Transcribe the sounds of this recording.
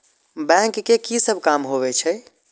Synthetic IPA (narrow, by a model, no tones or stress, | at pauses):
bɛ̃ŋkːekisəbʱkamɦoβɛt͡ʃʰɛ